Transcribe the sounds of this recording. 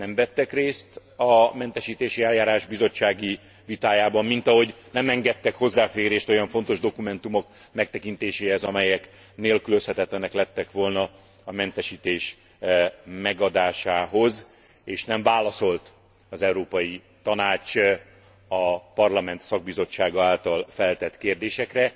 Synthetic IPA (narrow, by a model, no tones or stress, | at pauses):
nɛmvɛt̪ːɛkreːst̪ | ɒmɛnt̪ɛʃiːt̪eːʃiɛljaːɾaːʒbizo̞t͡ʃːaːɡi | vit̪aːjaːbɒmːint̪ɒɦo̞ɟnɛmɛŋɡɛt̪ːɛkho̞zːaːfeːɾeːʃt̪o̞jɒɱfo̞n̪t̪o̞ʒd̪o̞kumɛn̪t̪umo̞kmɛk̚t̪ɛkint̪eːʃeːhɛzɒmɛjɛk | neːlkyløshɛt̪ɛt̪lɛnɛklɛt̪ːɛkʋo̞lnɒ | ɒmɛnt̪ɛʃiːt̪eːʃ | mɛɡɒd̪aːʃaːɦo̞z | eːʃnɛɱvaːlɒso̞lt̪ | ɒzɛuɾoːpɒji | t̪ɒnaːt͡ʃ | ɒpɒrlɒmɛnt̪sɒɡ̚bizo̞t͡ʃːaːɡɒaːlt̪ɒlfɛlt̪ɛt̪keːrd̪eːʃɛkrɛ